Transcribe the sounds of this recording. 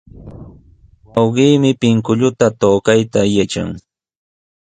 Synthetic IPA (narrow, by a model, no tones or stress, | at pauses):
wɑwɢiːmɪpɪŋkʊʎʊt̪at̪oːkajt̪ajat͡ʃa̰ŋ